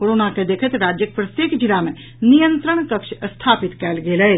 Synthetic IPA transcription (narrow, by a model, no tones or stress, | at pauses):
koːɾoːnaked̪eːkʰət̪ɾaːd͡ʒjək̚pɾət̪eːkd͡ʒilamẽ | nijə̃nt̪ɾəɳ̃kəkʃst̪ʰaːpɪt̪kɛːlɡeːlɛ